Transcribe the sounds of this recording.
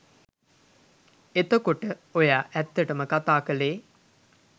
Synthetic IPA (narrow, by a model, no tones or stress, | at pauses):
et̪əkoʈəojaːʔɛt̪ːəʈəməkat̪aːkəleː